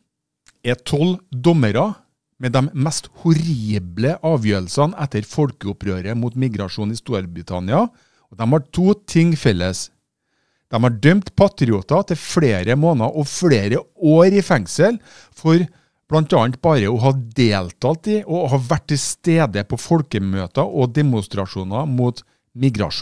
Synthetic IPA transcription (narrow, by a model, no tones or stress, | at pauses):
ɛt̪ʰɔld̪ɔməɾɑ | mɛd̪ɛmːɛst̪hʊɾiːbləʔɑːʋjøːɾl̩sɑnæt̪ːəɾfɔlkəʊpɾøːɾəmuːt̪mɪɡɾɑʂuːnɪst̪uːɾbɾɪt̪ʰɑ̰nɪɑ | ɔd̪ɛmhɑʈʰuːt̪ʰɪŋfɛlːəs | d̪̥ɛmhɑɖœmt̪pʰɑt̪ɾɪuːt̪ɑt̪ʰɪlfɽeːɾəmoːnɑʔɔfɽeːɾəoːɾɪfæŋsəl | fɔɾ | b̥lɑnt̪ɑːnt̪̚bɑːɾəɔɦɑd̪eːlt̪ʰɑːlt̪ɪʔɔɦɑʋæʈ̚ʈːɪlst̪eːd̪əpʰɔfɔlkəmøːt̪ɑʔɔd̪ɛmʊst̪ɾɑʂuːnɑmuːt̪ | mɪɡɾɑ̰ʂuː